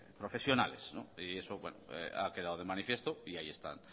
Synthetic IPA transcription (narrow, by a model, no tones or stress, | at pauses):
pɾofe̞sjo̞nalesnõ̰iesoβwḛnoḛa̰ke̞ð̞aðoð̞emãnifje̞st̪oiaie̞st̪a̰n